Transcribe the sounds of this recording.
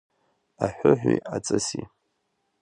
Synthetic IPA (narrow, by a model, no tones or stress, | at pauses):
aħʷʊħʷᶣiat͡sʼɨsi